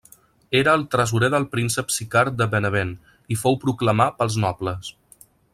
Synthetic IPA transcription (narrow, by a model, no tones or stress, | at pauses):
eɾəːlˠt̪ɾəz̬uɾeðəlˠpɾinsəpsikaɾd̪əβənəβen | ifowpɾukləmapəlˠznɔpləs